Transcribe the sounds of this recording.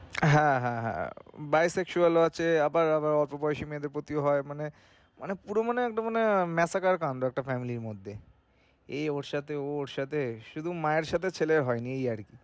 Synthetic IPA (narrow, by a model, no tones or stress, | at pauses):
ɦɛ̃ɦɛ̰̃ɦɛ̰̃bajsekʃualoat͡ɕʰeabaɾabaɾɔɾpopɔjʃimeed̪eɾpot̪ioɦɔemane | manepuɾomaneɛk̚ʈamanemɛsakaɾkanɾoɛk̚ʈafɛmiliɾmod̪ʱːe | ejoɾʃat̪ʰeooɾʃat̪ʰeʃud̪ʱumaeɾʃat̪ʰet͡ɕʰeleɾɦɔeniejaɾki